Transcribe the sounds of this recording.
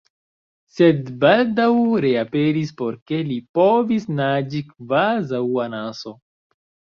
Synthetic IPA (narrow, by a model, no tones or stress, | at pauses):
se̞dbaldawɾeape̞ɾispo̞ɾke̞lipo̞visnad͡ʒikvazawanaso̞